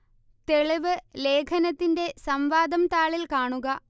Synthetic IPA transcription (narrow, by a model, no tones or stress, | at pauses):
t̪e̞ɭiʋɨle̞ːkʰɐnɐt̪ːinde̞sɐmʋaːd̪ɐmt̪aːɭilkaːɳuɣɐ